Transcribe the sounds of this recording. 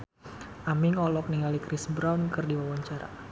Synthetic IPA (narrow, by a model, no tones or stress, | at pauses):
ʔamɪŋɔlɔk̚niŋalikɾisbɾawnkɨrdiwawaɲt͡ʃaɾa̰